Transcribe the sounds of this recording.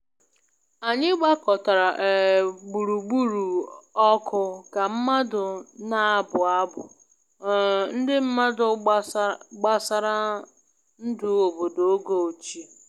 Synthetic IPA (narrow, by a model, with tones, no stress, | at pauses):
a˨ɲɪ˦ɡ͡ba˦kɔ˨ta˨ɾa˨ʔe˨ɡ͡bu˨ɾu˨ɡ͡bu˦ɾu˨ɔ˦kʰʊ˦ka˨m̩˦ma˦dʊ˨na˦˨bʊ˨a˦bʊ˨ | n̩˦dɪ˦m̩˦ma˦dʊ˨ | ɡ͡ba˦sa˦ɾa˦ | n̩˦du˨˦o˨bo˨do˨˦ɡo˨o˨t͡ʃi˨